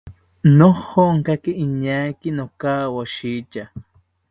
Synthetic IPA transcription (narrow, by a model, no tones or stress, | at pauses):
noχoŋkakɪɪɲajkɪnokaːwaʃiːt͡ʃa